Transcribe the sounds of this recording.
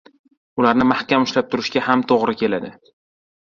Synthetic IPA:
ʊlaɾnɪmahkʲʰamʊʃlap̚t̪ʰʊɾɪʃɡʲahamt̪ʰoʁɾɪkʲʰe̞lad̪ɪ

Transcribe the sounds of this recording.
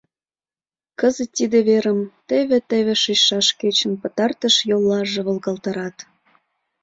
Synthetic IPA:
kəzə̆t̪ʲːid̪eβeɾəmt̪eβĕt̪eβĕʃiʃɑʃket͡ɕə̆mpɤ̆t̪ɑrt̪ə̆ʃjolːɑʒĕβɤlɣɑlt̪ɑɾɑt̪

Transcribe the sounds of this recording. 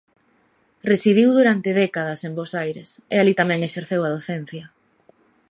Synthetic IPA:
resiðiwðuɾant̪ɪðɛkað̞ɐsembosajɾesḛalit̪amɛ̃ŋeʃeɾθewɐð̞oθɛn̟θjɐ

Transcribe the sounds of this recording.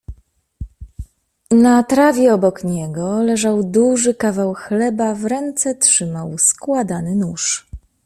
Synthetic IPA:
nat̪ɾavʲjɛɔbɔkɲɛɡɔlɛʐawd̪uʐɘkavawxlɛbavɾɛnt̪sɛtʂɘmawskwad̪anɘnuʂ

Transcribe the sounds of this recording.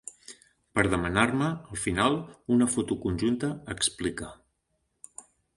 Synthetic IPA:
pəɾðəmənarməːlˠfinalˠunəfot̪ukunʲʒunt̪əːksplikə

